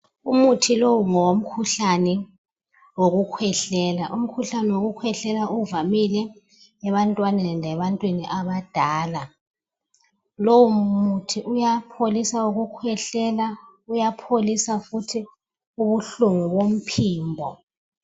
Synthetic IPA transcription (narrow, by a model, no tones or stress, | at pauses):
umutʰilowuŋɔwom̩kʰuɬanɛ | woɣukʰwɛɬɛːlaʔum̩kʰuɬanɛwoɣukʰwɛɬɛlaʔuvamilɛ | ɛβantʼwanɛnʱɛβantʼwiniʔaβad̥ʱaːla | lowumutʰiʔujapʰolisauɣukʰwɛɬɛla | ujapʰolisafutʰi | uβuɬuŋuβom̩pʰiːmbʱɔ